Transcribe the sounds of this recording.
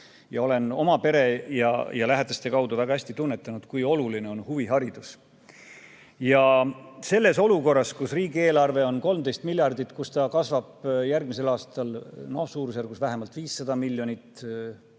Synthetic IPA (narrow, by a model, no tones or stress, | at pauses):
jɑo̞le̞no̞mɑpe̞ɾe̞jɑ̰jɑlæɦed̪̥ɑst̪e̞kɑwd̪uvæɡ̥ɑhæsʲt̪it̪unːe̞t̪ːˑɑnud̪̥kujo̞luline̞o̞nhuviɦɑɾid̪̥us | jɑse̞lːe̞so̞luko̞rːɑskusriːɡie̞ːlɑrve̞o̞nko̞lmd̪e̞jst̪milʲjɑrd̪it̪ːˑkust̪ɑkɑsvɑb̥jærɡmise̞lɑːst̪ɑlnosuːɾus̬jærɡ̥usvæɦe̞mɑlt̪viːsːɑd̪̥ɑmilːjo̞nit̪ˑ